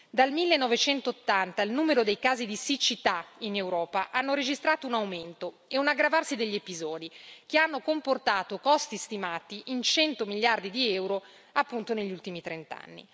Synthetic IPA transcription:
d̪almilːenːɔvet͡ʃɛnt̪oːt̪ːant̪ailnuːmeɾod̪ejkaːzid̪isit͡ʃit̪ainewɾɔːpaʔanːoɾed͡ʒist̪ɾaːt̪ounawment̪o | eunaɡːɾavarsid̪eʎːepizɔːd̪ik̟eanːokomport̪aːt̪okɔst̪ist̪imaːt̪iʔint͡ʃɛnt̪omilːard̪id̪iɛwɾo | apːunt̪oneʎːult̪imit̪ɾent̪a̰nːḭ

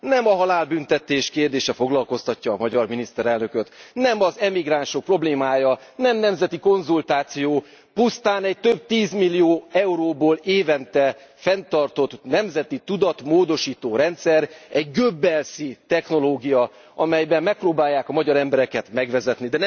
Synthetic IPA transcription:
nɛmɒɦɒlaːlbynt̪ɛt̪eːʃkeːrd̪eːʃɛfo̞ɡlɒlko̞st̪ɒcːɒːmɒɟɒrminist̪ɛɾɛlnø̞køt̪nɛmɒzɛmiɡraːnʃok̚pro̞bleːmaːjɒnɛmnɛmzɛt̪iko̞nzult̪aːt̪sijoː | pust̪aːnɛc̚t̪øb̚t̪iːzmilːijoːɛuɾoːboːleːvɛnt̪ɛ | fɛnt̪ɒrt̪o̞t̪nɛmzɛt̪it̪ud̪ɒt̪moːd̪o̞ʃiːt̪oːɾɛnt̪sɛɾɛɟɡøbːɛlsit̪ɛxno̞loːɡijɒ | ɒmɛjbɛmːɛk̚proːbaːjːaːkɒmɒɟɒɾɛmbɛɾɛkɛt̪mɛɡʋɛzɛt̪nid̪ɛnɛ

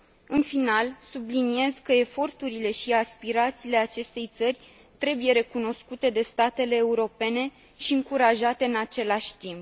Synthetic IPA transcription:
ɨnfinalsublinie̞zkəe̞fo̞rt̪uɾile̞ʃiaspiɾat̪siːle̞at͡ʃe̞st̪e̞jt̪sərʲ | t̪ɾe̞buje̞ɾe̞kuno̞skut̪e̞d̪e̞st̪at̪e̞le̞ːuɾo̞pe̞ne̞ | ʃiɨŋkuɾaʒat̪e̞ɨnat͡ʃe̞laʃʲt̪imp̚

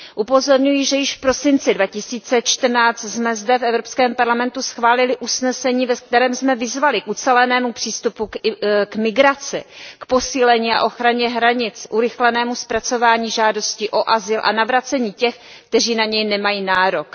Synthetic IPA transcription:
ʔupo̞zo̞ɾɲujɪʒɛjɪʃfpɾo̞sɪnt͡sɪdvacɪsiːt͡sɛt͡ʃt̪r̩naːt͡st̪smɛzdɛfɛvɾo̞pskɛːmpaɾlamɛnt̪usxvaːlɪlɪʔusnɛsɛɲiːvɛk̚t̪ɛɾɛːmsmɛvɪzvalɪkʔut͡sɛlɛnɛːmupr̝̥iːst̪upukmɪɡɾat͡sɪkpo̞siːlɛɲiːa̰ʔo̞xɾaɲɛɦɾaɲɪt͡sʔuɾɪxlɛnɛːmuspɾat͡so̞vaːɲiːʒaːdo̞scɪʔo̞ʔazɪlʔa̰navɾat͡sɛɲiːcɛx | kt̪ɛriːnaɲɛjnɛmajiːnaːɾo̞k

